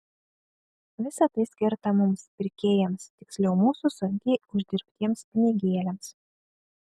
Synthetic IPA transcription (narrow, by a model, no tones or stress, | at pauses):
ʋʲɪsɐt̪ɐɪsʲkʲɪɾt̪ɐmʊmspʲɪɾʲkʲeːjɛmst̪ʲɪksʲlʲɛʊmuːsusʊŋʲkʲɛɪʊʒʲd̪ʲɪɾʲpʲt̪ʲiɛmspʲɪnʲɪɡʲiːlʲɛms